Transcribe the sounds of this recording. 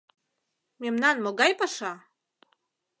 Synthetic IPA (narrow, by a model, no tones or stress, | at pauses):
mʲemnɑnmoɡɑjpɑʃɑ